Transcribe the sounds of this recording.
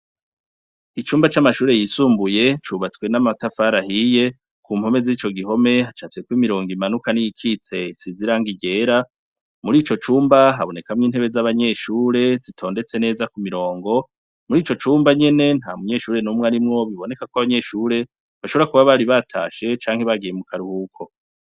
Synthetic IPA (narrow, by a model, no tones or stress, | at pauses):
it͡ʃuːmbat͡ʃamaʃuːɾe̞jisuːmbuje̞t͡ʃuβat͡swe̞namatafaɾahije̞ | kuːmho̞me̞zit͡ʃo̞ɡiɦo̞me̞hat͡ʃafiekwiːmiɾo̞ːŋɡimanukanijikʰit͡se̞siziɾaːŋɡiɟe̞ːɾa | muɾiːt͡ʃo̞t͡ʃuːmbaɦaβo̞ne̞kamŋiːn̥he̞βe̞zaβaɲe̞ʃuːɾe̞zitʰo̞ːnde̞t͡se̞ne̞ːzakumiɾo̞ːŋɡo̞ | muɾiːt͡ʃo̞t͡ʃuːmbaɲe̞ne̞n̥haːmuɲe̞ʃuːɾe̞numŋaɾimŋo̞βiβo̞ne̞kakoaβaɲe̞ʃuːɾe̞ | βaʃoβoakuβaβaɾiβatʰa̰ːʃe̞t͡ʃaːŋhe̞βaɡijemukʰaɾuhukʰo̞